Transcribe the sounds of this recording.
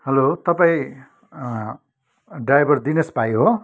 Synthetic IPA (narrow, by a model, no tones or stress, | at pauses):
hʌlot̪ʌpaĩ | ɖajbʌrd̪inʌsbʱajɦo